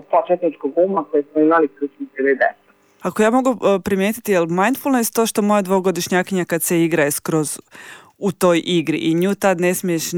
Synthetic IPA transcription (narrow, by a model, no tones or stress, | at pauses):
t̪at͡ʃet̪nit͡ʃkoɡumakojesmoimalikɾut͡ʃnised̪ed̪ḛsa | akojaːmo̞ɡupɾimjet̪i̥t̪ijelˠmajnd̪fulˠnest̪ːo̞ːʃt̪o̞mo̞jad̪ʋoɡod̪iʃɲaːkiɲakad̪seiɡɾaeskɾo̞z | ut̪o̞jʔiɡɾḭʔiɲuːt̪ad̪ne̞smieʃ